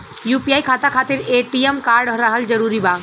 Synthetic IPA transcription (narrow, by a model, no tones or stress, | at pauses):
juːpijaːikʰaːt̪akʰaːt̪ɪɾeːʈiemkaːɾɖʱəɾəɦəld͡ʒəɾuːɾibaː